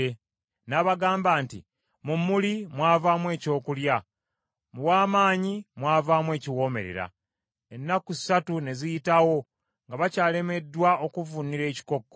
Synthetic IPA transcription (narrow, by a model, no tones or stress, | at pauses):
e | naβaɡaːmbaːntḭ | mumulimwaːvamwe̞ːco̞ːkulja | muwaːmaːɲimwaːvamwe̞ːciwo̞ːme̞̰ɾe̞̰ɾa̰ | e̞nːakuzi̥satune̞zijitawo̞ | ŋɡaβacaːle̞me̞dːwao̞kuvuniɾe̞ːci̥ko̞kːo